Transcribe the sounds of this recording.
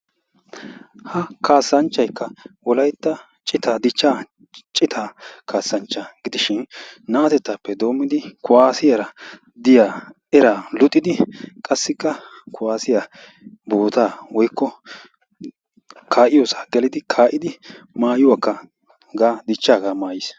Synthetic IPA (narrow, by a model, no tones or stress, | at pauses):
hɐkaːsːɐnt͡ʃːɐjkːɐwɔlɐjt̪ːɐ | t͡ʃʼɪt̪aːd̪ɪt͡ʃːaː | t͡ʃʼɪt̪ʰaːkʰaːsːɐnt͡ʃːɐɡɪd̪ɪʃɪnːaːt̪ɛt̪ːaːpːɛd̪o̞ːmːɪd̪ɪkʊaːsɪjɐɾɐ | d̪ɪjaː | ɛɾalɔt̪ʼːɪd̪ɪkʼɐsːɪkːɐ | kʊwaːsɪja | boːt̪aːwɔjkːɔ | kʰaːʔɪjoːsɐ̥ɡɛlɪd̪ɪkʰaːʔɪd̪ɪ | maːjʊwaːkːɐ | ɡaːd̪ɪt͡ʃːaːɡaːmaːjɪs